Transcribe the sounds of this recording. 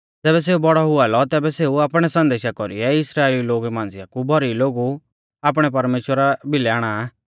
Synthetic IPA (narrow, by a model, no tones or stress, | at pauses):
d͡zɛːbɛs̬eːubɔɽɔɦʊalɔt̪ɛːbɛseːuaːpɽ̃ɛsɐ̃nd̪eːʃakɔɾḭɛɪsɾaːeːliloːɡmãːn̆d͡zɪjakubʱɔɾiloːɡu | aːp̬ɽ̃ɛp̬ɐɾmeːʃwəɾabʱɪlɛaːɽ̃a